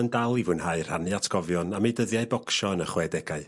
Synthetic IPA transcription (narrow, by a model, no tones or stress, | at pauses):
əndalˠivunhaɨr̥hanɨatʰɡ̥ɔvjɔnamejdəðjaɨbɔkʃɔənəχwɛdɛɡaɨ